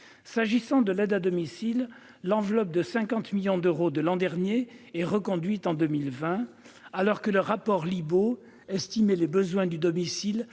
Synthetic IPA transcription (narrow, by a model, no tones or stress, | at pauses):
saʒisɑ̃d̪əlɛd̪ad̪ɔmisilː | ɑ̃vlɔp̚d̪əsɛ̃kɑ̃t̪miljɔ̃d̪øʁod̪əlɑ̃d̪ɛʁnjeɛʁəkɔ̃d̪ɥit̪ɑ̃d̪ømilvɛ̃ | alɔʁkələʁapɔʁlibo | ɛst̪imelebəzwɛ̃d̪yd̪ɔmisil